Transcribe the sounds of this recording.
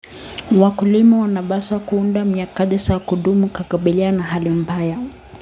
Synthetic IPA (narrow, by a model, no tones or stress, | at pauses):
wakulimawanaɓasakuundamjakaɗɛsakuɗumukakaɓilianaɦalim̩baja